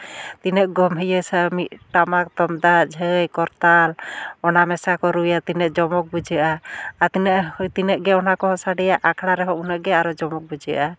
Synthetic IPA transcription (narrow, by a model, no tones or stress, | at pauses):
t̪inəʔ̚ɡɔmɦəjəsamit̪̚ʈamak̚t̪ɔmd̪ad͡ʒʱəjkɔɾt̪alɔnamɛsakɔɾujat̪inəʔd͡ʒɔmɔk̚bud͡ʒaʔaːt̪inəʔt̪inəʔɡɛɔnakɔɦɔsaɖɛjaʔakʰɽaɾɛɦɔʔunəʔɡɛaɾɔd͡ʒɔmɔk̚bud͡ʒia̰ʔa